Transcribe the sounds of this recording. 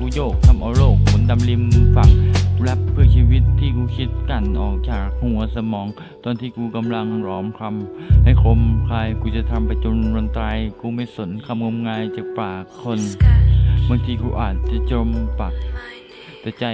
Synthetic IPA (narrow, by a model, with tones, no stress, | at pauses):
kuː˧˦joː˧˩k̚t̪ʰa˧mʔa˧wloː˧˩k̚ːʰo˨˦nda˧˨mli˧mfa˨˩k̚lɛ˦˥p̚pʰːɯ˥˧˩əsiː˧wi˦˥t̪ʰːiː˧˩kuː˧˩kʰi˦˥t̪̚ka˧˩nʔɔː˨˩k̚t͡ɕaː˨˩k̚huː˧˨ə˧sa˧mɔː˨˦ŋ | t̪ɔː˧nt̪ʰiː˧˩kuː˧ka˧˨mla˧ŋɾɔː˨˥mkʰa˧mha˧˩jkʰo˧mkʰaː˧jkuː˧˩t͡ɕa˨˧˩t̪ʰa˧mpa˧jt͡ɕo˧nɾo˧nt̪ɾaː˧jkuː˧˦ma˧˥˩jso˨˦nkʰa˧mŋo˧˥mŋaː˧jt͡ɕaː˨˩k̚paː˨˩kʰːo˧˥˨n | ba˧ŋt̪ʰiː˧kuː˧ʔaː˨˩t̪̚t͡ɕa˧˩t͡ɕo˧˥mpa˨˩k̚ | t̪ɛː˨˧˩t͡ɕa˧˩